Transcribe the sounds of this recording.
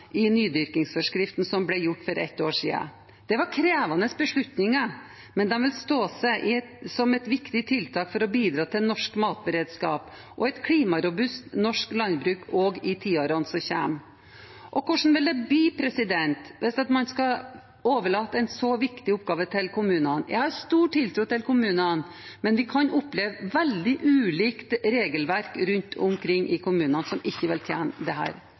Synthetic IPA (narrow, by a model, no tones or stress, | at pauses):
ɪnyːd̪ʏɾkɪŋsfɔʂkɾɪft̪nsɔmblɛjʊʈːfɔɾʔɛ̰t̪ːoːʂḭːə̰ | d̪̥ɛʋɑɾkʰɾeːʋɑnəsbəʂɭʉt̪nɪŋə | mɛnd̪ɛnʋɪlst̪oːsɛʔɪsɔmɛt̪ʋɪkt̪ɪt̪ʰɪlt̪ʰɑːkfɔɾɔbiːd̪ɾɑːt̪ʰɪlnɔʂkmɑːt̪̚bəɾeːd̪skɑ̰ːp | ʔɔɛt̪kʰliːmɑɾʊbʉst̪nɔʂklɑnbɾʉːkʰɔːɡɪt̪ʰiːoɾɑnsɔçæ̰ːm | ʔɔkʰʊʂn̩ʋɪld̪ɛbliːpʰɾɛsɪd̪ɛnt̪ʋɛst̪ɑt̪mɑnskɑ | oːʋəɭɑːt̪ːəɛɪnsɔʋɪkt̪ɪʊp̚ɡɑːʋət̪ʰɪlkʰʊmʉːnɑnjʔæɪhɑɾst̪uːʈʰːɪlt̪ʰɾuːt̪ɪlkʰʊmʉːnən | mɛnʋɪkʰɑnʔʊpːleːʋʋɛld̪ɪʔʉːliːkt̪ɾeːɡəlʋæɾkɾʉnt̪ʰʊmkʰɾɪŋːʔɪkʰʊmʉːnɑnsɔmɪçːəʋɛlt̪ʰjeːnd̪ɛhæ̰ːɾ